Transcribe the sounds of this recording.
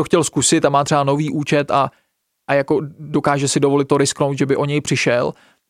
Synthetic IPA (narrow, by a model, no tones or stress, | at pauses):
oxcɛlskusɪt̪amaːt̪r̥ɛbano̞viːʔuːt͡ʃɛt̪a | ʔajako̞dokaːʒɛsɪdovo̞lɪt̪ːoɾɪsknowt̪ʒɛbɪʔo̞ɲɛjpr̥ɪʃɛl